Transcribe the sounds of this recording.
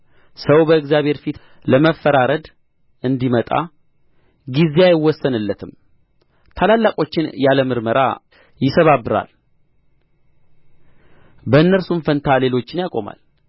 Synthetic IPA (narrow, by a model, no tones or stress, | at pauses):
səwbəɨkzjaβʱeɾfit̪ | ləməfːəɾaɾəd̪ | ɨnd̪imət̪ʼa̰ | ɡizeajɪwːɔsːənɨlːət̪ʰɨm | t̪ʰalalːakʼo̞t͡ʃːɪnjaləmɨɾməɾʔa̰ | jɪsəβabːɨɾa̰l | bəɨnːəɾsumfənt̪ʰale̞lo̞t͡ʃːɪnjakʼo̞ma̰l